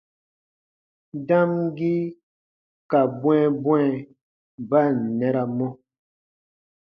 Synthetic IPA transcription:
da˦mɡi˦ | ka˨bwɛ̃˦bwɛ˦˨ | ba˦˨n̩˨nɛ˦ɾa˨mɔ˦

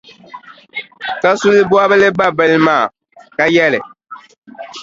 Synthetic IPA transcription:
ka˦su˦lɨ˦bwa˦bɨ˦lɨ˦ba˦bɨ˦lmaː˦˨ | ka˦jɛ˦lɨ˨

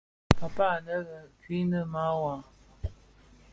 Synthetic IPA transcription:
ka˨pa˦˨nə˦ɣə˨ki˦nə˦ma˦wa˨

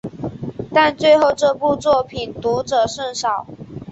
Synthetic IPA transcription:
t̪a˥˧nt͡swe˥˧ɪxo˥˧ʊʈ͡ʂɤ˥˧pu˥˧t͡swɔ˥˩pʰi˨˩nt̪u˧˥ʈ͡ʂɤ˨˩ʂə˥˩nʂɑ˨˩˦ʊ

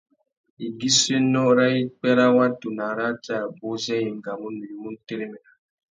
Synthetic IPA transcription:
i˨ɡi˦se˦nɔ˦ɾa˦i˦k͡pɛ˦ɾa˦wa˦tu˨na˨ɾa˦ta˨bo˦zɛ˦ji˨ŋ˨ɡa˨mu˦nu˨i˨mu˦n˦te˦ɾe˦mɛ˨na˨

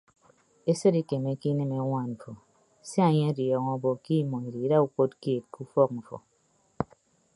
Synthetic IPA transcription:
e˦sɨ˦di˦ke˨me˦ki˦nɨ˦me˦ŋʷa˦˨nɱ̩˨fo˨ | si˦a˦˨ɲe˦a˦djɔ˨ŋɔ˦bɔ˨ki˦mɔ˨i˨ɾi˨˦da˦u˦ko˦tke˦˨t̚ku˦fɔ˦k̚ɱ̩˨fɔ̰˨

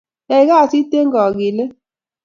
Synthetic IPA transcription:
e˨˦ɣa˦˨si˦te˦ŋɡɔ˨ɡɪ˨le˦

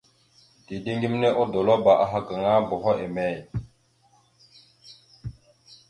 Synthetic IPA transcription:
di˨di˦ŋɡi˦mne˦ʔo˦do˨lo˦ba˨ʔa˨ɦa˨ka˨ŋa˦bo˨ɦo˦ʔe˨me˦˨j

